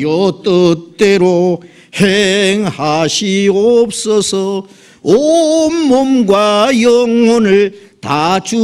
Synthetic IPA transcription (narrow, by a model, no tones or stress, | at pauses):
ʌt̪͈ʌt̪͈ːeɾo | heŋhaɕʰiop̚s͈ʌsʰʌ | omːomɡwajʌŋwʌnɯɭt̪at͡ɕu